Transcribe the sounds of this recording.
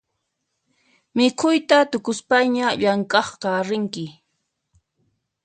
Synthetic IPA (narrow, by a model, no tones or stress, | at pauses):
mɪkʰʊjt̪at̪ʊkʊspajɲaʎaŋkɑχqɑɾɪŋkɪ